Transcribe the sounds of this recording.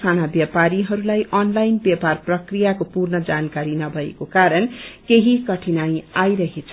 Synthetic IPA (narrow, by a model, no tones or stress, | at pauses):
kʰanabjʌpaɾiɦʌɾulajʔʌnlajnbjeparprʌkrijakopurnʌd͡zankaɾinʌbʱʌḛkokaɾʌnkeɦikʌʈʰinajajɾʌɦet͡sʰʌ